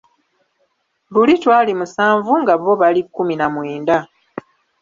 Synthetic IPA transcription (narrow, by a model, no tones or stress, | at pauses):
lulitwaːlimusaːɱvuŋɡaβo̞βalikːuminamwiːnda